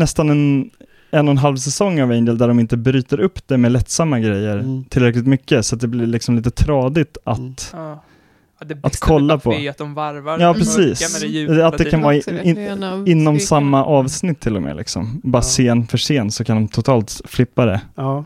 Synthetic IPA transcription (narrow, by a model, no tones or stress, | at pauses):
nɛst̪anɛn | ɛnːɔnɦalvsɛsɔŋːavɛnd̪əld̪æɖɔmɪnt̪əbɾyːt̪əɾɵpːd̪ɛmɛlɛt̪ːsamːaɡɾɛjːəɾt̪ʰɪlɾɛklɪt̪mʏkːəsat̪̚d̪ɛblɪɭɪksɔmliːt̪ət̪ʰɾɑːd̪ɪt̪at̪ | ʔat̪kʰɔlːapʰɔvjɑːpʰɾɛsiːsat̪̚d̪ɛkʰanvɑːɾɪɪnːɔmssamːaʔɑːvsnɪt̪ʰːɪlːɔmḛːlɪ̰ksɔ̰mbɑːɾaseːnfœʂeːnsɔkʰand̪ɔmt̪ʰʊt̪ʰɑːlt̪flɪpːad̪ɛ̰